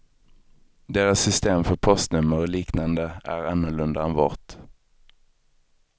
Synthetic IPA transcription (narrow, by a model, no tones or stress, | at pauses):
d̪eːɾasːʏst̪eːmfœɾpʰɔst̪nɵmːəɾɔliːknand̪əæ̰ɾanːʊɭɵnd̪aɛnvɑ̰ːʈ̪